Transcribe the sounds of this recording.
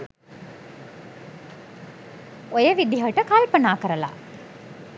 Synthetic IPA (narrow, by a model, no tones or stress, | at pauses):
ojəʋid̪iɦəʈəkalpənaːkəɾəla̰